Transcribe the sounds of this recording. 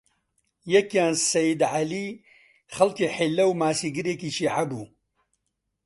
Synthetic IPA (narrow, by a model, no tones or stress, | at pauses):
jɛkjaːnsɐjid̪ʕali | xɐlkeːħelːɐwmaːsiːɡɨɾeːkiːʃiːʕabuː